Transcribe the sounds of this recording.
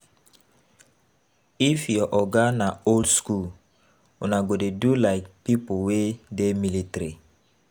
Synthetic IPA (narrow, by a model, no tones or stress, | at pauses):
ifiɔʔɔɡanaoldskul | unaɡodedulaɪk̚pipowedemilitɾi